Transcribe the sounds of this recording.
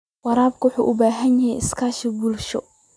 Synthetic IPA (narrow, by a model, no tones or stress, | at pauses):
wɑɾaːb̚kʰʊwʊħṵːʔʊbaːɦɐnjɐɦɛjɪskʰaːʃɪbuːlʃɔ̰